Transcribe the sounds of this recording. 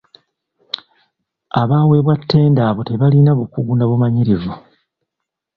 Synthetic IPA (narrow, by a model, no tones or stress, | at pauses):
aβaːwe̞βwatʰːe̞ːndaːβote̞βalinaβukuɡunaβumaɲiɾivu